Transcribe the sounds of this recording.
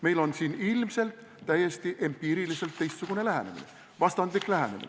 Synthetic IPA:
me̞jlo̞nsiːnilmse̞lt̪ːæje̞st̪iʔe̞mpiːɾilise̞lt̪ːe̞jst̪suɡ̥unelæɦḛne̞mḭne̞̰ | vɑst̪ɑnd̪liklæɦe̞̰nemḭ

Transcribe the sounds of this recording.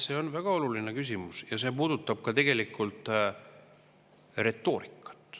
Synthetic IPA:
se̞ːo̞nvæɡ̥ɑo̞lulinekys̬ʲimusjɑse̞ːpuːd̪̥ut̪ːˑɑb̥̚kɑt̪e̞ɡ̥e̞likːˑult̪ːˑ | re̞t̪ːˑo̞ːɾikːˑɑ̥t̪ːˑ

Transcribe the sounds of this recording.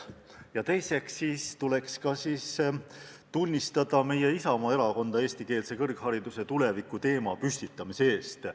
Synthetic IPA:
jɑt̪e̞jse̞ksiːst̪ule̞kskɑsiːs | t̪unʲːist̪ɑd̪̥ɑme̞je̞isɑmɑeɾɑko̞nd̪̥ɑe̞ːsʲt̪ike̞ːlse̞kɤrkhɑɾid̪use̞t̪ule̞vikːˑut̪e̞ːmɑpysʲt̪it̪ˑːɑmisee̞ːst̪

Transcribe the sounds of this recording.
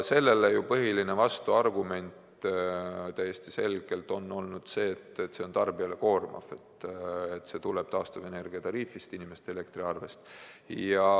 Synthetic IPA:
se̞lːe̞lejupɤɦiline̞vɑst̪uɑrɡume̞nʲt̪ | t̪æjːe̞st̪ise̞lɡ̥e̞lt̪ˑo̞nːo̞lnud̪̥se̞ːt̪ːet̪ːse̞o̞nt̪ɑrbiɑle̞ko̞ːrmɑ̰fe̞t̪ːet̪ːse̞t̪uleb̥t̪ɑːst̪uve̞ne̞rɡ̥iɑt̪ɑɾiːfˑist̪inime̞st̪eele̞kt̪ɾiɑrve̞st̪jɑ

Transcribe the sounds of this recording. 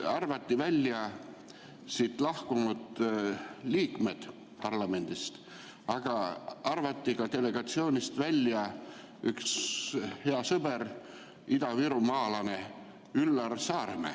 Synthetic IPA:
ɑrvɑt̪ːivælʲːjɑ | sit̪lɑhkumut̪ | liːkme̞d̪̥ | pɑrlɑme̞nd̪̥ist̪ | ɑɡ̥ɑɑrvɑt̪ːikɑt̪e̞le̞ɡ̥ɑt̪sio̞ːnist̪vælʲjɑ | ykshe̞ɑsɤbe̞ɾ | id̪ɑviɾumɑːlɑne̞ | ylːɑrsɑːrmḛ

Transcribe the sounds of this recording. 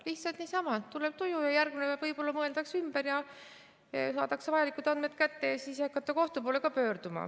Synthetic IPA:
liht̪sɑlt̪niːsɑmɑt̪uleb̥t̪ujujɑjærɡ̥minevæ̥vɤjpo̞lːɑmɤe̞ld̪̥ɑksymb̥eɾjɑ | sɑːt̪ɑksevɑjɑlikut̪ɑnd̪̥me̞t̪kæt̪ːe̞jɑsiːsɑkːˑɑt̪ːˑɑko̞ht̪upo̞ːle̞kɑpø̞ːrd̪̥umɑ̰

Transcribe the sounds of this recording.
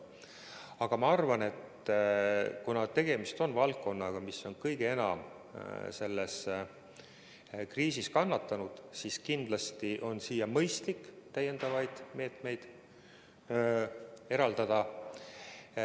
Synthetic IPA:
ɑɡ̥ɑmɑɑrvɑne̞t̪ | kunɑt̪e̞ɡ̥e̞mist̪o̞nvɑlkːo̞nːɑɡ̥ɑmisːo̞nkɤjɡ̥ee̞nɑ̰m | se̞lːes | kriːsiskɑnːɑt̪ːˑɑnud̪̥siskind̪̥lɑst̪iʔo̞nsiːjɑmɤjst̪likːt̪æjːe̞nd̪̥ɑvɑjd̪̥me̞ːt̪me̞jd̪̥ | e̞ɾɑld̪ɑd̪̥ɑ

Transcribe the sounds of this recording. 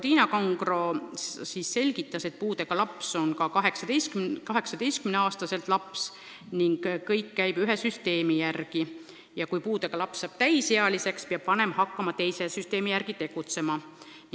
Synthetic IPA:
t̪iːnɑkɑŋɡro̞sisse̞lʲɡ̥it̪ːˑɑse̞t̪̚puːd̪e̞ɡ̥ɑlɑpso̞nkɑkɑɦe̞ksɑd̪ejskykɑɦe̞ksɑd̪̥e̞jst̪̚kymneɑːst̪ɑse̞lt̪lɑps | niŋɡ̥kːɤjkːæjb̥yɦesyst̪e̞ːmijærɡ̥i | jɑkujpuːd̪e̞ɡ̥ɑlɑpsːɑːb̥t̪æjseɑlise̞kspeɑb̥pɑne̞mɑhɑkːɑmɑt̪e̞jsesyst̪e̞ːmijæɾɡ̥it̪e̞ɡ̥ut̪se̞mɑ

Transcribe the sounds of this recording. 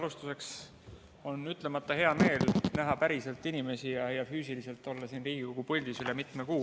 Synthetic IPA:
ɑlust̪use̞ks | o̞nyt̪ˑle̞mɑt̪ˑːɑhe̞ɑme̞ːlnæɦɑpæɾise̞lt̪ːˑinime̞sijɑjɑfyːsilise̞lt̪ːˑo̞lːɑsiːnriːɡ̥ikokupɤlʲd̪̥isylɛmit̪ˑmekuː

